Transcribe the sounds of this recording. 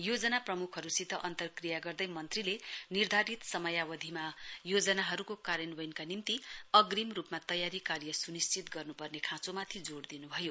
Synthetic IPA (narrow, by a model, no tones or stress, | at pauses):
jod͡zʌnaprʌmukʰɦʌɾusit̪ːʌʔʌnt̪ʌrkrijaɡʌrd̪ʌjmʌnt̪rilenird̪ʱaɾit̪sʌmʌjawʌd̪ʱimajod͡zʌnaɦʌɾukokaɾjʌnbʌjnkanimt̪iʌɡrimrupmat̪ʌjaɾikarjʌsunist͡sit̪ɡʌrnupʌrnekʰãt͡somat̪ʰid͡zoɽd̪inubʱʌjo